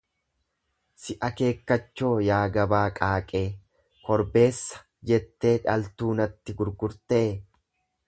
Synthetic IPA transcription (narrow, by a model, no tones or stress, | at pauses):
sɪʔɐke̞ːkːɐt͡ʃːo̞ːjaːɡɐbaːkʼaːkʼe̞ː | kɔɾbe̞ːsːɐ̥ | d͡ʒɛt̪ːe̞ːᶑɐ̰lt̪uːnɐt̪ːɪɡʊɾɡʊɾt̪e̞ː